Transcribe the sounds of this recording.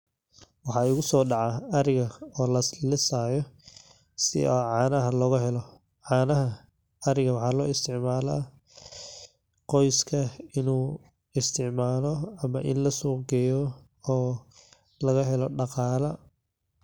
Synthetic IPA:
wɑħɑːʊɣʊsɔːɖɑʕɑɐɾɪɣɐɔːlɐslɪsaːjɔ | sɪ̰ɔːʕɑːnɐɦɐlɔːɣɐɦɛlɔ | ʕɑːnɐɦɐ | ɐɾɪɣɐwɑħɑːlɔːɪst̪ʰɪʕmaːla̰ | qɔjskʰɐɪnuː | ɪst̪ʰɪʕmaːlɔɐmɐʔɪ̰nlɐsuːɡɛjɔ | ɔː | lɐɣɐɦɛlɔɖɑqɑːlɐ

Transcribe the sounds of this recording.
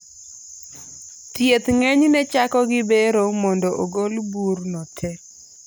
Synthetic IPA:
tjet̪ŋɛɲnɛt͡ʃakɔɡɪbeɾomɔndɔʔoɡolburnɔtʰɛ

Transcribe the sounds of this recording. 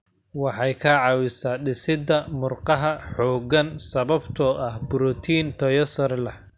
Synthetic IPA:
wɑħɑjkʰɐʕɑwɪsaːɖɪsɪd̪ɐmʊrqɑɦɐħɔːɡɐnsɐβɐbt̪ʰɔʔɐhbʊɾɔt̪ʰiːnt̪ʰɔjɐsɔrlɐh

